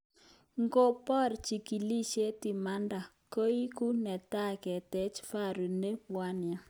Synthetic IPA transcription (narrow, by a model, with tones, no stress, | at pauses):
ŋɡo˦pɔ˦˨ɾt͡ʃi˨ki˨li˦ʃe˦ti˨ma˦nda˨ | ko˦i˦ku˦nɛ˨ta˦kɛ˨tɛ˨˦t͡ʃfa˦˨ɾu˨ne˦wa˦nja˨